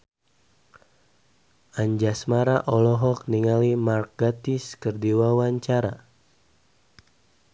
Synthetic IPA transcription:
ʔaɲd͡ʒasmaɾaʔɔlɔɦɔk̚niŋalimark̚ɡat̪iskərdiwawaɲt͡ʃaɾa

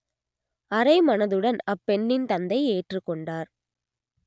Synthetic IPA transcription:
ɐɾɐɪmɐnɐðɯɽɐnɐpːɛɳːɪnt̪ɐnd̪ɐɪeːʈrɯkːɔɳɖaːɾ

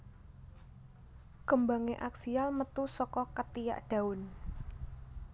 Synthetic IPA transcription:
kəmbaŋeʔaksialmət̪usɔkɔkət̪ija̰ʔɖ̥a̤ʊn

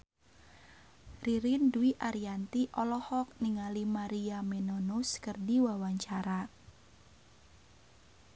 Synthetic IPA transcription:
riɾinduiʔaɾiant̪iʔɔlɔhɔk̚niŋalimaɾiamenonuskərdiwawaɲt͡ʃaɾa

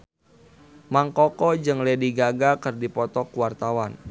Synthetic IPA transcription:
maŋkɔkɔd͡ʒɨŋlediɡaɡakɨrdipɔt̪ɔkuwart̪awan

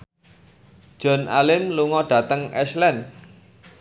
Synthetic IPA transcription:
d̥ʒ̥ɔ̤nʔalɪmluŋɔɖ̥ä̤t̪əŋɛslɛn

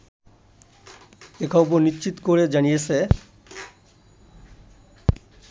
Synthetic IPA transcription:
ekʰɔboɾniʃt͡ɕit̪okoɾed͡ʑanijet͡ɕʰe

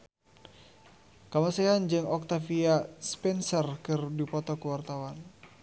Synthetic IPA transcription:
kamasɛand͡ʒɨŋɔk̚t̪afiaspɛnsərkɨrdipɔt̪ɔkuwart̪awan

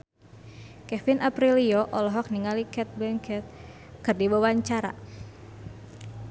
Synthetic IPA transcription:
kɛfinʔapɾiliɔʔɔlɔɦɔk̚niŋalikɛt̪̚bɛŋkɛt̪̚ | kɨrdiwawaɲt͡ʃaɾa̰

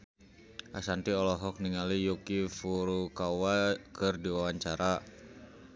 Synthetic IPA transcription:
ʔasant̪iɔlɔɦɔk̚niŋalijukifuɾukawakərdiwawaɲt͡ʃaɾa

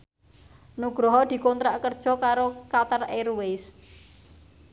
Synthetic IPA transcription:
nuɡ̥ɾɔɦɔd̪̥i̤kont̪ɾaʔkərd̥ʒ̥ɔ̤kaɾokat̪əreɾuwes

